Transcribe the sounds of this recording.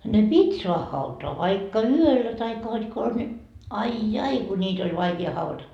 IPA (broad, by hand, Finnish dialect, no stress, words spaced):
ne pitʲ soɑh hɑutoɑ ʋɑikːɑ yølːæ tɑikːɑ hod kons nʲi ɑi jɑi ku nʲiːt olʲ ʋɑikiɑ hɑuʋɑtɑ